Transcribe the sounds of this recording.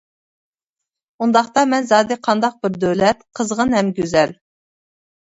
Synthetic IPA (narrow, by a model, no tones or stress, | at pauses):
und̪ɑχt̪ɑmɛnzɑːd̪ɪqʰɑnd̪ɑq̚bɪɾd̪øwlɛt̪qʰəzʁənhɛmɡʲøzɛl